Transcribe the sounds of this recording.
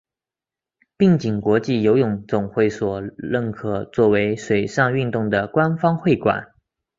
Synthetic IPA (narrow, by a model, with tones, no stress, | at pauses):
pi˥˩ŋt͡ɕi˨˩ŋkwɔ˧˥t͡ɕi˥˩jo˧˥ʊjʊ˧˩ŋt͡sʊ˨˩ŋxwe˥˩ɪswɔ˨˩ɻə˥˩nkʰɤ˨˩t͡swɔ˥˩we˧˥ɪʂwe˨˩ɪʂɑ˥˧ŋy˥˧nt̪ʊ˥˩ŋd̪ə˩kwa˥nfɑ˥ŋxwe˥˩ɪkwa̰˨˩˦n